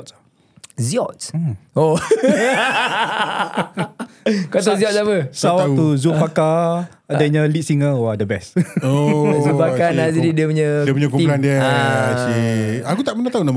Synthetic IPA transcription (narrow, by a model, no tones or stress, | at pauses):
ziɔt̪o | kat̪ɔziɔt̪̚sapəsawat̪uzupaka | adaɲãlit̪̚siŋawadəbɛsozupakanad͡ʒadidiəpuɲədiəpuɲəkulandiəsiakut̪aʔpənãt̪auna